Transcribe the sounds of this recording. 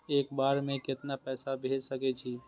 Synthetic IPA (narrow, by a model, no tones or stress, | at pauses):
eːkbaɾmẽkɪt̪napɛːsabʱed͡ʒsəkɛt͡ʃʰi